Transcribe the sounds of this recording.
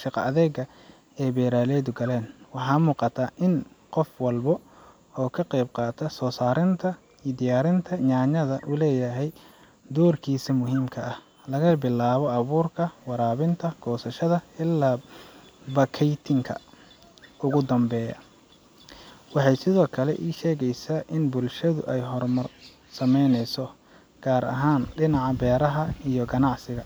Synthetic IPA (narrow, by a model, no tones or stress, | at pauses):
ʃɪqɐːðɛːɡɐ | ɛːbɛːɾaːlɛːðʊɡɐlɛːnwɑħɑːmuːqɑt̪ʰaːʔɪnqɔfwɑlbɔ | ɔːkʰɐqɛjb̚qɑːt̪ʰɐsɔːsaːɾɪnt̪ʰɐ | id̪ɪjaːɾɪnt̪ʰɐɲaːɲɐðɐʔʊlɛːjɐɦɛj | d̪ɔːrkʰiːsɐmʊɦiːmkʰɐɐh | lɐɣɐbɪlːaːβɔɐβuːrkʰɐwɑɾaːβɪnt̪ʰɐɡ̥ɔːsɐʃɐðɐɪlːaː | bɐkʰɛjt̪ʰɪŋkʰɐ̰ | ʊɣʊd̪ɐmbɛːjɐ̰ | wɑħɑjsɪðɔːkʰɐlɛ̰ʔiːʃɛːɣɛjsaːʔɪnbʊlʃɐðʊ̰ʔɛjɦɔrmɐr | sɐmɛjnɛjsɔ | ɡ̥aːɾɐ̰ɦaːnɖɪnɑʕɑbɛːɾɐɦɐijɔɡɐnɑʕsɪɣɐ